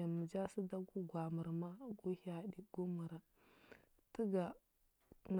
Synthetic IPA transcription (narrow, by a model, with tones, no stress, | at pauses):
a˨mə˨d͡ʒa˦si˦da˦ɡu˦ɡʷa˨mə˨ɾma˦ɡu˦ha˦di˨ɡ̥u˦mu˨ɾa˦ | tə˦ɡa˨ | n˨